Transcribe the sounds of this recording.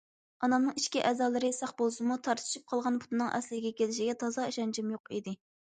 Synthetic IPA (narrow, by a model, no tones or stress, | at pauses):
ɑnɑmnɨŋiʃkʲiʔɛːzɑːlˠɨɾɨsɑχbolˠsɨmut̪ʰɑɾt̪ʰɨ̥ʃip̚qʰɑlˠʁɑnpʰu̥t̪ɨnɨŋʔɛ̰slɪɡʲɛkʲelɪʃiɡʲɛt̪ʰɑzɑiʃɛnd͡ʒɛmjoqid̪ɪ